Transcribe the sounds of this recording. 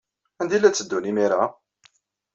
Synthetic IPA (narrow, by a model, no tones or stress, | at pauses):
ænd̪ilːæt͡sːəd̪ːunimiɾa